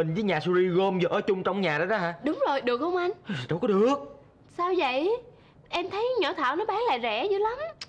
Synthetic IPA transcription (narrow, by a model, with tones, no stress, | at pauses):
i˨˩ŋ̟vəː˨˦jɲaː˨˩su˧zi˧ɣo˧mvəː˨˩ʔəː˨˩˦t͡ɕʊ˧ŋ͡mt͡ɕɔ˧wŋ͡mɲaː˨˩ɗə˨˦jɗɔ˨˦haː˧ɗʊ˨˦wŋ͡mzo˨˩jɗɨ˨˩ək̚hə˧wŋ͡mʔa˧ŋ̟ɗɔ˧wkɔ˨˦ɗɨ˨˩ək̚ | saː˧wzə̰˧˨j | ʔɛ˧mt̪ʰə˨˦jɲɔ̰˧˩t̪ʰa̰ː˧˨˩wnɔ˨˦ɓaː˨˦ŋla̰ː˧˨zɛ̰˧˩zɨ˨˦la˨˦m